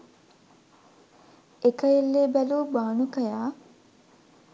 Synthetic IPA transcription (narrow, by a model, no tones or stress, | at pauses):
ekɐjelːeːbæluːbaːnukɐjaː